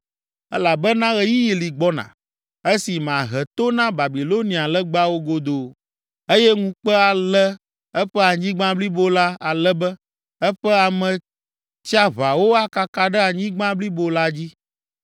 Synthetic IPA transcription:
ɛ̰˦la˨bɛ˦nã˦ɣɛ˦ji˦ji˨li˨ɡ͡bɔ˦nã̰˨ | e˦si˨m˨ã˨ɦɛ˨t̪o˦nã˦ba˨bi˨lo˦nĩ˨a˨lɛ˦ɡ͡ba˦wo˦ɡo˦d̪o˨ | e˦jɛ˦ŋũ˦k͡pɛ˦a˨lɛ˦ | ɛ˦ɸɛ˦a˨ɲĩ˦ɡ͡bã˦bli˦bo˦la˦a˨lɛ˦bɛ˦ | ɛ˦ɸɛ˦a˨mɛ̃˨ | t͡ɕi˦a˦βa˨wo˦a˦ka˨ka˨ɖɛ˦a˨ɲĩ˦ɡ͡bã˦bli˦bo˦la˦d͡ʑi˦

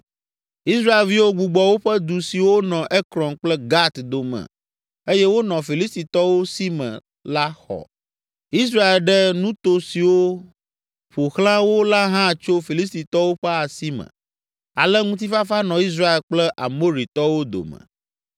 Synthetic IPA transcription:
i˦sɾa˦e˨lvi˦wo˦ɡ͡bu˨ɡ͡bɔ˦wo˦ɸɛ˦d̪u˨si˨wo˦nɔ̃˨ʔɛ˦kɾɔ̃˨nk͡plɛ˦ɡa˦t̪d̪o˨mɛ̰̃˨ | e˦jɛ˦wo˦nɔ̃˨fi˨li˦st̪i˨t̪ɔ˦wo˦si˦mɛ̰̃˨ | la˦xɔ̰˨ | i˦s̬ɾa˦e˨lɖɛ˦nũ˦t̪o˦si˨wo˦ | ɸo˨xlã˦wo˦la˦ɦã˦˨t͡ʃo˦fi˨li˦s̬t̪i˨t̪ɔ˦wo˦ɸɛ˦a˨si˦mɛ̰̃˨ | a̰˨lɛ˦ŋũ˦t̪̬i˦fa˦fa˦nɔ̃˨i˦s̬ɾa˦e˨lk͡plɛ˦ʔa̰˨mo˦ɾi˨t̪ɔ˦wo˦d̪o̰˨mə̰̃˨

